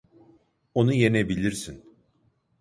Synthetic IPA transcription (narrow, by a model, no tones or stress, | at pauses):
o̞nuje̞ne̞bilʲiɾsin